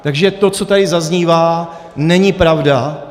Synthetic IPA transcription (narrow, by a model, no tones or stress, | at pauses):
t̪aɡʒɛt̪o̞t͡so̞t̪adɪzazɲiːvaː | nɛɲɪpɾavda